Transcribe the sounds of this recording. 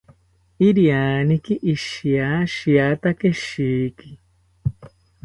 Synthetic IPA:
iɾiaːnikiʔiʃiaʃiat̪akeʃiːki̥

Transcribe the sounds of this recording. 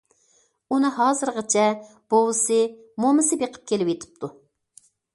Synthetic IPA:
unɨɦɑːzɨɾʁət͡ʃʰɛ | b̥owɨsɨ | momɨsɨbeqʰə̥p̚kʲʰelɪwet̪ʰɪ̥p̚t̪ʰu

